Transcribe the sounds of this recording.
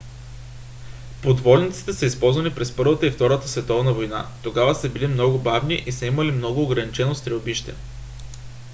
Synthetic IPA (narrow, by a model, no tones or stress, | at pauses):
pod̪vɔlnʲit̪si̥t̪ɛsəispɔlˠzvɐnipɾɛspɤɾvət̪əift̪ɔɾət̪əsvɛt̪ɔvnəvojnat̪oɡavəsəbilimnɔɡʊbavniʔisɐiməlimnɔɡʊːɡɾɐnit͡ʃɛnost̪ɾɛʊbiʃt̪ɛ̰